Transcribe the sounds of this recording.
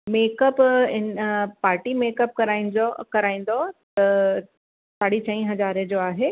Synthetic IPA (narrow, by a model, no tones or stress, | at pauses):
meːkəpɪnpaːɾʈimeːkəp̚kɐɾaːĩːnokɐɾaːĩːn̆d̪ot̪ɐ | saːɽit͡ɕɐ̃ĩɦɐzaːɾed͡ʑoːaːɦe